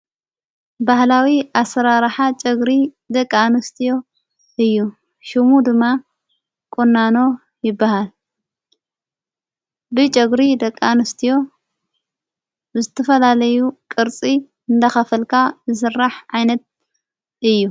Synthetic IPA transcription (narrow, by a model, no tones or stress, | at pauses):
bahlawiʔasɐɾaɾħat͡ʃʼɐɡɾi | d̪ɐkʼːanust̪ʰijo̞ | ɨjːu | ʃumud̪ɨmːa | kʼunːano̞ | jɪbːahal | bɨt͡ʃʼɐɡɾid̪ɐkʼːanɨst̪ʰijo̞ | zɨt̪ʰɐfɐlalɐjukʼɨɾt͡sʼi | ɨnd̪axɐfɐlkʰabɨsɨrːaħʕajnɐt̪̚ | ɨjːu